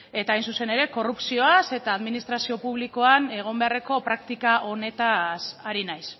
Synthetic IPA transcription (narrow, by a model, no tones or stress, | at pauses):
e̞t̪aːjnsuse̞ne̞ɾe̞ko̞rupsio̞ase̞t̪aːðminist̪ɾasio̞puβ̞liko̞ane̞ɣ̞o̞mbe̞are̞ko̞pɾakt̪ikaʔo̞ne̞t̪asaɾinajs